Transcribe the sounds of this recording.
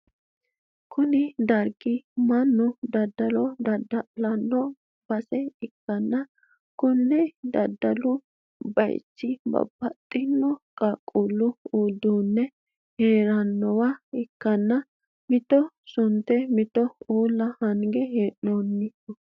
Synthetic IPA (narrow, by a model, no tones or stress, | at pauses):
kʊnɪd̪ɐɾɡɪmɐnːʊd̪ɐd̪ːɐlɔd̪ɐd̪ɐlɐnːɔ | b̥ɐsɛɪkːɐnːɐ | kʊnːɛd̪ɐd̪ːɐlʊ | bɐ̰jɪ̰t͡ʃːɪbɐ̰bːɐt̪ʼːɪnːɔkʼaːkʼːulːʊuːd̪uːnːɛ | heːɾɐnːɔwɐɪkːɐnːɐ | mɪt̪ɔ | sʊnt̪ːɛmɪt̪ɔuːlːɐhɐŋɡɛɦeːʔnonːɪ